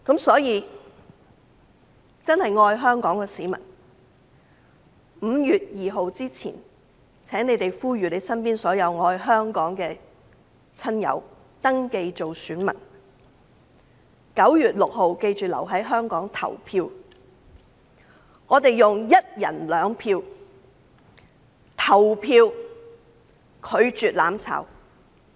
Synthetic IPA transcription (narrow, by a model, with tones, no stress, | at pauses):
kɐ˨˥msɔː˨˥jiː˨˧ | t͡sɐ˥nhɐ˨jŋɔː˧jɦœː˥ŋkɔː˨˥ŋkɛː˧siː˨˥mɐ̰˨˩n | m̩ː˨˧jyː˨t̚jiː˨ɦo˨˧wt͡siː˥t͡sʰḭː˨˩n | t͡sʰɛː˨˥ŋne˨˧jt̪e˨jfuː˥ɥyː˨ne˨˧˥jsɐ˥npiː˥nsɔː˨˥jɐ˨˧wŋɔː˧jɦœː˥ŋkɔː˨˥ŋkɛː˧ | t͡sʰɐ˥njɐ̰˨˧˥w | t̪ɐ˥ŋke˧jt͡ʃo˨wsyː˨˥nmɐ̰˨˩n | kɐ˨˥wjyː˨t̚lʊ˨k̚ho˨wke˧jt͡ʃyː˨lɐ̰˨˩wɦɐ˨˥jɦœː˥ŋkɔː˨˥ŋt̪ʰɐ̰˨˩wpʰiː˧w | ŋɔː˨˧t̪e˨jjʊ˨ŋjɐ˥t̚jɐ̰˨˩nlœː˨˧ŋpʰiː˧w | t̪ʰɐ˨˩wpʰiː˧w | kʰɵ˨˧ɥt͡ʃyː˨t̚la̰ː˨˥mt͡sʰa̰˨˥w